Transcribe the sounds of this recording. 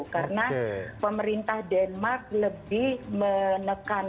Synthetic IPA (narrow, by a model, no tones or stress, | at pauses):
karənapəməɾint̪ahdɛnmark̚ləbɪhmənəkan